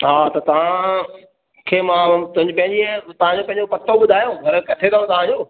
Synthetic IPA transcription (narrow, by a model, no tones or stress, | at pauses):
ɦaːt̪ɐt̪ɐʋ̤ã | kʰeːmãːt̪ʊ̃ɦɪ̃ɲd͡ʑpɐ̃ɦɪ̃ɲd͡ʑiət̪ɐʋ̤ãɲd͡ʑopɐ̃ɦɪ̃ɲ̆d͡ʑopɐk̚t̪oɓʊd̪ʱaːjoɡʱɐɾkɐʈʰẽnãːõt̪ɐʋãd͡ʑoː